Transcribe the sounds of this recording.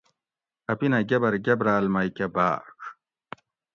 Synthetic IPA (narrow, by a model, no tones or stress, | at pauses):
ɐpinɐɡʲɐbɐɾɡʲɐbɾaːlmɐjkʲɐba̰ːk